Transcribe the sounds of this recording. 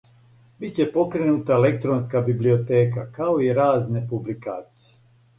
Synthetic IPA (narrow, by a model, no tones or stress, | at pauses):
bit͡ɕe̞po̞kɾenut̪aelek̚t̪ɾonskabiblio̞t̪e̞ːkakao̞iɾaːzne̞publikaːt̪sije